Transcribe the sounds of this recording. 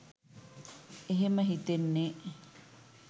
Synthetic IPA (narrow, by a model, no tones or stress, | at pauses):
eɦeməɦit̪enːe